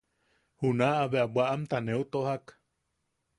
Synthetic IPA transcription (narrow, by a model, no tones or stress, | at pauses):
hunaaβeabwaʔamt̪aneut̪oʔhak